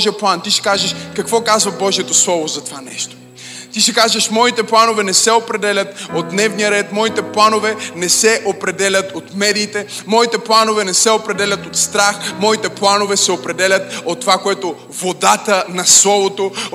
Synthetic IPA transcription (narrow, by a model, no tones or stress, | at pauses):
ʒijəplˠant̪iʃɛ̥kaʒɐʃkɐkvɔkazvɐbɔʒiɛt̪oslˠɔvozɐt̪ovanɛʃt̪o̥ | t̪iʃɛkaʒəʃmɔit̪ɛplˠanovɛnɛsɛopɾɛd̪ɛlʲɐt̪od̪̚d̪nɛvnijəɾɛt̪mɔit̪ɛplˠanovɛnɛsɛʔopɾɛd̪ɛlʲɐt̪ot̪mɛd̪iːt̪ɛ | mɔit̪ɛplˠanovɛnɛsɛopɾɛd̪ɛlʲɐt̪ot̪st̪ɾaxmɔit̪ɛplˠanovɛsɛopɾɛd̪ɛlʲɐt̪̚ot̪ːovakoɛt̪o | vod̪at̪ənɐslˠɔvot̪o